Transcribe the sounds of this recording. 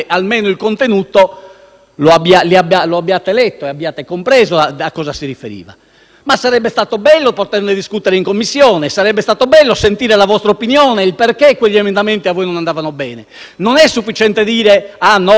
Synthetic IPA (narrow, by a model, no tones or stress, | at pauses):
ʔalmɛːnoilkont̪enuːt̪o | loabːialiabialoabːiaːt̪elɛt̪ːoɛabːiaːt̪ekompɾɛːzoakːɔːzasiɾifeɾḭːva̰ | masːaɾɛbːɛst̪aːt̪obɛlːopot̪ɛrned̪iskut̪ɛɾeiŋkomːisːjɔːnɛsaɾɛbːɛst̪aːt̪obɛlːosent̪iːɾɛlavɔst̪ɾaopinjɔːneilperkekːweʎːiɛmɛnd̪ament̪iavːɔːjnɔnand̪aːvanobɛːnɛ | nɔnɛsːufːit͡ʃɛnt̪ed̪iːɾɛanːɔ